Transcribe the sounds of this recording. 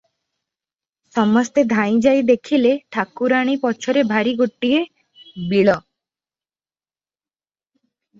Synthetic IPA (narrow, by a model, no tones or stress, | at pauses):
sɔmɔst̪ed̪ʱaĩd͡ʒajd̪ekʰileʈʰakuɾaɽ̃ipɔt͡ʃʰɔɾebʱaɾiɡoʈːie | biɭɔ